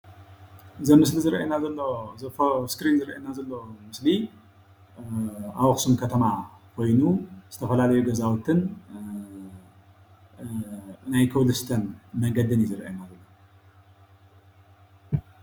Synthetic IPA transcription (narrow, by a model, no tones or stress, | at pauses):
ɨzɐmɨslizɨɾʔenazɐlːoɐfskɾinzɨɾʔḛnazɐlːomɨsli | awɐxsumkʰɐt̪ʰɐmakʰo̞jnuz̥ɨt̪ʰɐfɐlalɐjuɡɐzawt̪ʰɨn | najkʰɐwlɨst̪ʰɐnmɐŋɡɐd̪ɨnjizɨɾʔajnazɐlːo